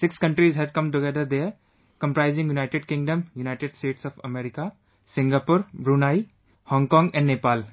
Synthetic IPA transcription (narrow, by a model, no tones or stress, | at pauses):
sɪkskɐ̃ɳʈɾizɦɛɖ̚kʌ̃mʈ̬ʊɡɛd̪əɾd̪e | kə̃mpɾaɪzɪ̃ŋjunaɪʈɪɖ̚kɪ̃ŋɖə̃mjunaɪʈeɖsʈeːʈsɔfɐmɛɾɪka | sɪ̃ŋɡapuɾbɾunaːi | hɔ̃ŋkɔ̃ːŋɡɛ̃nɖːeːpaːl